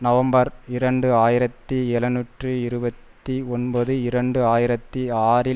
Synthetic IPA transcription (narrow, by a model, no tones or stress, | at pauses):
nɐʋɐmbɐɾɪɾɐɳɖɯaːjɪɾɐt̪ːiɛlɐnuːʈrɯɪɾɯbɐt̪ːiɔnbɐðɯɪɾɐɳɖɯaːjɪɾɐt̪ːiaːɾɪ